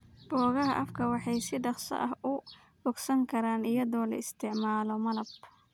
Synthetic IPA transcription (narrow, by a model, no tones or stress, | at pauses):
b̥ɔːɣɐɦɐʔɐfkʰɐwɑħɑjsɪɖɑqsɐ̰ʔɐhʊ | bɔɡsɐŋkʰɐɾaːnɪjɐðɔːlɐ̰ɪst̪ʰɪʕmaːlɔmɐlɐb